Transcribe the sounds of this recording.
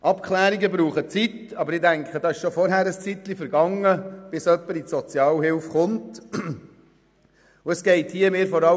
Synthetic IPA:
ʔɑpkχlæːɾiɡəbɾuːχət͡sitɑbəɾɪdæŋkʰχədɑːɪʃʃofɔɾɦæɾəst͡sit̪lifəɾɡɑŋːəb̥ɪsœpːəɾisɔt͡sjɑːlɦɪlfχʊnt | uəsɡ̥ɛɪthiːəmɪːɾfɔɾɑ

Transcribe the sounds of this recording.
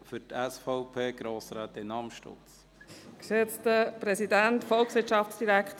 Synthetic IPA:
fʏɾtæsfaʊpʰeːɡ̥ɾoːsɾæːt̪ɪnɑmʃto̰t͡s | kset͡stəpɾɛsidæntfɔlksʋɪtʃɑft͡sd̥iɾækχt

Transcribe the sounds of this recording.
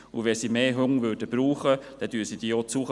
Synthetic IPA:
uʋɛsimeːɦøŋʋøːɾd̥əb̥ɾuːχəd̥ɛd̥yːsid̥iːot͡suχə

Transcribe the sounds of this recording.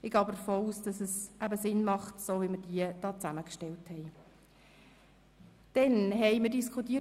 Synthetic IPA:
ɪɡ̥ɑːbədəɾfoːuːsd̥ɑsəsʔæbəsɪnmɑχtsoːʋiməɾd̥iəd̥ɑːt͡sæməkʃtɛlthɛɪ | d̥ɛnɦɛɪməɾdiskʰutːiː

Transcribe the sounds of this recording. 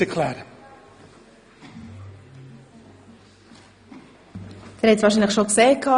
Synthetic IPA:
əkʰlɛːɾ | d̥ɛɾhɛtsʋɑːʃiːnləχxʃokseːkʰːɑ

